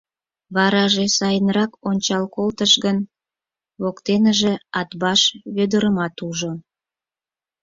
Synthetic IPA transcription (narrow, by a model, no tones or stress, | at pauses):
βɑɾɑʒesɑjənrɑkonʲt͡ɕɑlkolt̪əʃɣən | βokt̪enəʒeɑt̪bɑʃβød̪əɾəmɑt̪uʒo